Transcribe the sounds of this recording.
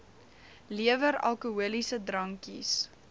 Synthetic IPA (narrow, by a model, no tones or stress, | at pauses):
liəvəɾɐ̰lˠkuuəlisədɾɐŋkḭs